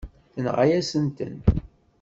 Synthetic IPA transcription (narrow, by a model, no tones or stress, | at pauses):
θənʁajæsənt̪ə̰n